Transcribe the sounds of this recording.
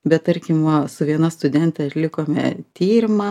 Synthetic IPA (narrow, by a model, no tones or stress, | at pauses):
bʲɛt̪t̪ɐɾʲkʲɪmʋɐsʊʋʲiɛnɐst̪ʊd̪ʲɛnʲt̪ʲɛɐtlʲɪkoːmʲɛ̰t̪ʲiːɾʲɪmɐ